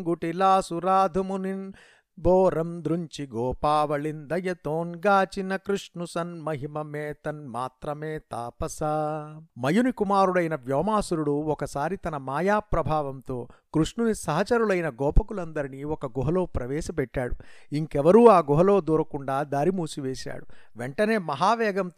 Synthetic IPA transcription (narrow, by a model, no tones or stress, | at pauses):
ŋɡuʈilaːsuɾaːd̪ʱɐmunin | bɔːɾɐmd̪ɾuɲt͡ʃiɡɔːpaːʋɐɭind̪ɐjɐt̪oːnɡaːt͡ʃinɐkɾuʂɳusɐnmɐɦimɐmɛːt̪ɐnmaːt̪ɾɐmeːt̪aːpɐsaːmɐjunikumaːɾuɭɐjnɐʋjɔːmaːsuɾuɽuɔkɐsaːɾit̪ɐnɐmaːjaːpɾɐbʱaːʋɐmt̪o̞ːkɾuʂɳunisɐɦɐt͡ʃɐɾuɭɐjnɐɡɔːpɐkulɐnd̪ɐɾiniɔkɐɡɔɦɐlo̞ːpɾɐʋɛːʃɐpɛʈːa̰ːɽuiŋkɛʋɐɾuːaːɡuɦɐlo̞ːd̪uːɾɐkuɳɖaːd̪aːɾimuːsiʋeːʃa̰ːɽuʋeɳʈɐne̞ːmɐɦaːʋɛːɡɐm